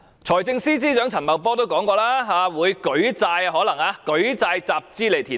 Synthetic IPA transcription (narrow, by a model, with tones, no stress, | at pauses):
t͡sʰɔː˨˩jt͡sɪ˧ŋsiː˥t͡siː˥t͡ʃœː˨˥ŋt͡sʰɐ˨˩nmɐ˨wpɔː˥t̪o˥wkɔː˨˥ŋkɔː˧laː˥ɦaː˨˧wuː˨˧jkɵ˨˥ɥt͡saː˧jɦɔː˨˥lɐ˨˩ŋaː˨˧kɵ˨˥ɥt͡saː˧jt͡saː˧p̚t͡siː˥le˨jt̪ʰiː˨˩